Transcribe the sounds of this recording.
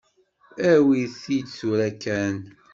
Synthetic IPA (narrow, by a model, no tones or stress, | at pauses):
æwiðθid̪θuɾækæn